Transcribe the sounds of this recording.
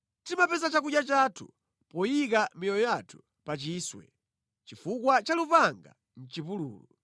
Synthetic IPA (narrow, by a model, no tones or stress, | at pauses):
timapɛzat͡ʃakuɗjat͡ʃaːtʰu | pɔjik̬amijɔjɔjatʰu̥ | pat͡ʃiːswɛ̰ | t͡ʃifukwat͡ʃalupaŋɡa̰ | n̩t͡ʃipulṵːlṵ